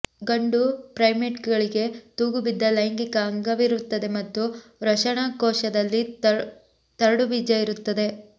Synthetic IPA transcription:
ɡɐɳɖupɾɐjmeʈkɡɐɭiɡe̞t̪uːɡubid̪ːɐlɐjŋɡikɐɐŋɡɐʋiɾut̪ːɐd̪e̞mɐt̪ːuɾɐʃɐɳakɔːʃɐd̪ɐlːi | t̪ɐɾɐɽuʋid͡ʒɐiɾut̪ːɐd̪e̞

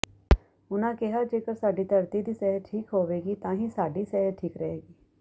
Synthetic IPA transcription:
ʊnãːkɛɦad͡ʒeːkəɾsaːɖiːt̪əɾt̪id̪iːsɛɦəʈʰiːkɦoːʋeːɡiːt̪ãːɦisaːɖiːsɛɦəʈʰiːkɾɐɦeːɡiː

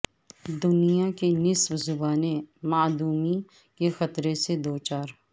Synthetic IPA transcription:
d̪ʊnijakenɪsbzʊbaːnemaːd̪uːmi | kexɐt̪ɾesed̪oːt͡ʃaːɾ

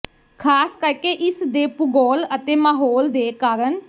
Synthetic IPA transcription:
kʰaːskəɾkeʔɪsd̪eːpʊɡɔːlət̪eːmaːɦoːld̪eːkaːɾən

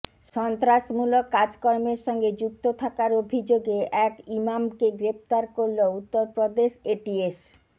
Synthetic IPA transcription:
ʃɔnt̪ɾaʃmulokːad͡ʑkɔɾmeɾʃɔŋɡed͡ʑuk̚t̪ot̪ʰakaɾobʱid͡ʑoɡeʔɛkimamkeɡɾept̪aɾkoɾlout̪ːoɾpɾod̪eʃeʈies

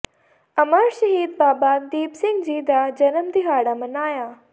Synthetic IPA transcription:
ɐmaɾʃɐɦiːd̪baːbaːd̪iːpsɪ̃ŋɡd͡ʑiːd̪ad͡ʑɐnəmd̪iɦaːɽamɐnaːjaː

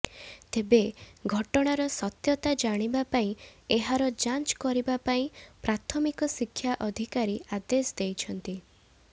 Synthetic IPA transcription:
t̪ebeɡʱɔʈɔɽ̃aɾɔsɔt̪jɔt̪ad͡ʒaɽ̃ibapaĩeɦaɾɔd͡ʒant͡ʃkɔɾibapaĩpɾat̪ʰɔmikɔsikʰːjaʔɔd̪ʱikaɾiad̪esɔd̪ejt͡ʃʰɔnt̪i

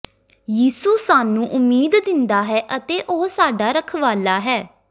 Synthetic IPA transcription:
jiːsuːsaːnũːʔʊmiːd̪d̪ɪnd̪aːɦɛːʔət̪eːʔoɦsaːɖaːɾəkʰʋaːlaːɦɛː

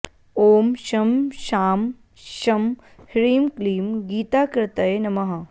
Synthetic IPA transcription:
oːmʃɐmʃaːm | ʃɐm | hɾiːmkliːmɡiːt̪aːkɾɪt̪ɐjnɐmɐɦɐ

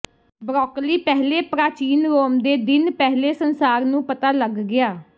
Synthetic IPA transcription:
bɾɔːkliːpɛɦleːpɾaːt͡ʃiːnɾoːmd̪eːd̪ɪnpɛɦleːsənsaːɾnũːpət̪aːləɡːɪaː

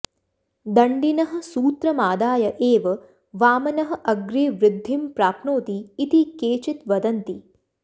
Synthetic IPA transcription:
d̪ɐɳɖinɐɦɐ̆suːt̪ɾɐmaːd̪aːjɐʔeːʋɐ | ʋaːmɐnɐɦɐ̆ʔɐɡɾeːʋɾɪd̪ʱːimpɾaːpnoːt̪iːt̪ikeːt͡ʃit̪ʋɐd̪ɐnt̪i

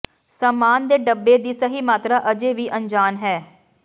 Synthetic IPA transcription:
səːmaːnd̪eːɖəbːeːd̪iːsəɦiːmaːt̪ɾaːʔəd͡ʒeːʋiːʔəɲd͡ʒaːnɦɛː

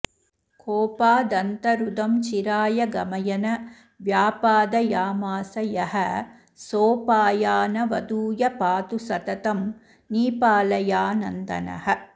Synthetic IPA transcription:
koːpaːd̪ɐnt̪ɐɾud̪ɐmt͡ʃiɾaːjɐɡɐmɐjɐnɐ | ʋjaːpaːd̪ɐjaːmaːsɐjɐɦɐ | soːpaːjaːnɐʋɐd̪uːjɐpaːt̪usɐt̪ɐt̪ɐm | niːpaːlɐjaːnɐ̰nd̪ɐ̰nɐ̰ɦɐ

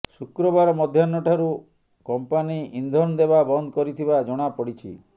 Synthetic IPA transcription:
sukɾɔbaɾɔmɔd̪ʱjanːɔʈʰaɾu | kɔmpaniind̪ʱɔnd̪ebabɔnd̪ʱɔkɔɾit̪ʰibad͡ʒɔɽ̃apɔɽit͡ʃʰḭ

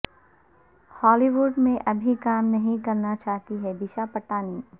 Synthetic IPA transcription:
hɔːliʋʊɖmẽʔɐbʱikaːmnɐɦĩkɐɾnat͡ʃaːɦt̪iɦɛbɪʃapɐʈaːniː

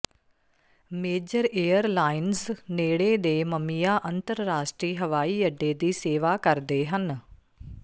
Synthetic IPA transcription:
meːd͡ʒəɾeːəɾlaːɪnsneːɽeːd̪eːməmijaːʔənt̪əɾːaːsʈɾiːɦəʋaːiːəɖːeːd̪iːseːʋaːkəɾd̪eːɦən

